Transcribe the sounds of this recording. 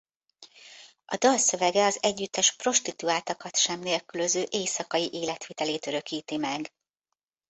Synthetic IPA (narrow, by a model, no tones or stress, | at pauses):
ʔɒd̪ɒlsø̞vɛɡɛɒzɛɟːyt̪ːɛʃpro̞ʃt̪it̪uaːt̪ɒkɒt̪ʃɛmneːlkyløzøːʔeːsɒkɒjiʔeːlɛt̪ʋit̪ɛleːt̪øɾø̞kiːt̪imɛɡ